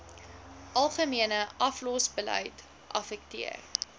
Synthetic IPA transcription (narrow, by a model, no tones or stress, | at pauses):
ʔɐlˠχəmiənəʔɐflɔsbəlœ̰jt | ʔɐ̰fɛk̚tḭə̰r